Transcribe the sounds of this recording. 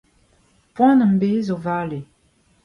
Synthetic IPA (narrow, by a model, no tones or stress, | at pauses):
pwãnəm̩bezovale